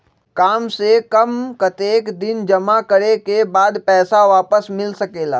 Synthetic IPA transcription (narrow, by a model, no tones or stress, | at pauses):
kaːmsekɐmkɐt̪eːkd̪ɪnd͡ʒɐmakɐɾekebaːd̪pɛːsaʋaːpəsmɪlsɐkeːla̰ː